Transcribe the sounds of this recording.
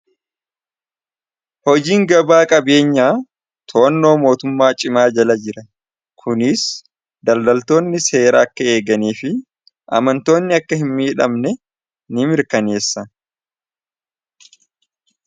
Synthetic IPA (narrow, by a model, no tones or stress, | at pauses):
hɔd͡ʒiːŋɡɐbaːkʼɐbe̞ːɲːaː | t̪ʰoːnːoːmo̞ːt̪ʊmːaːt͡ʃʼɪmaːd͡ʒɐlɐd͡ʒɪɾɐ | kʰʊnɪs | d̪ɐld̪ɐlt̪o̞ːnːɪse̞ːɾaːkːɐe̞ːɡɐniːfɪ | ʔɐ̰mɐnt̪o̞ːnːɪɐkːɐhɪmːiːᶑɐmnɛ | nɪmɪɾkɐne̞ːsːɐ